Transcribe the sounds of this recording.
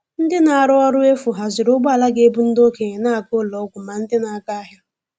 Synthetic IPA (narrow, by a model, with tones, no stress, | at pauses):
n̩˦dɪ˦na˨a˨ɾʊ˦ɔ˦ɾʊ˦e˦fʊ˨ɦa˨zɪ˨ɾʊ˦ɡ͡ba˨la˦ɡe˨˦e˦bu˦n̩˦do˦ke˨ɲe˨na˦a˨kʊ˦lɔ˨˦ɡʷʊ˨ma˨n̩˦dɪ˦na˨˦ka˦a˦ɦja˦